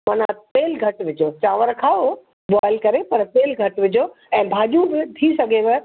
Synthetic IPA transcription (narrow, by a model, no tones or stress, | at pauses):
mɐnat̪eːlɡʱɐʈʋɪd͡ʑʱot͡ɕaːʋəɾkʰaːo | baːɪlkɐɾepɐɾt̪eːlɡʱɐʈʋɪd͡ʑʱo | ɛ̃ːbʱaːʄubɪt̪ʰisɐɡʱeʋɐ